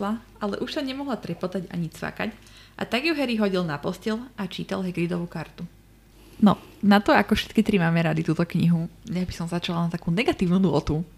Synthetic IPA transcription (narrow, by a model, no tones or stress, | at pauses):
la | alɛ̰ʔuʃsaɲɛmɔɦlat̪ɾɛpɔt̪aɟa̰ɲit͡sfa̰ka̰c | ʔa̰t̪aɡjuɦɛɾiɦɔɟilnapɔscɛlat͡ʃiːt̪alɦɛɡɾid̪ɔʋukaɾt̪u | nɔ̰nat̪ɔakɔfʃɛ̥t̪kit̪ɾimaːmɛɾad̪it̪uːt̪ɔkɲiɦuɲabisɔmzat͡ʃalanat̪akuːnɛɡat̪iːʊnud̪lɔt̪u